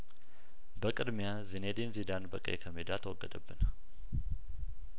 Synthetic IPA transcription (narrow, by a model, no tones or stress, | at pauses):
bəkʼɨd̪mjazined̪inzid̪anbəkʼa̰jɛkʰəmed̪at̪ʰəwɔɡːəd̪əbːɨn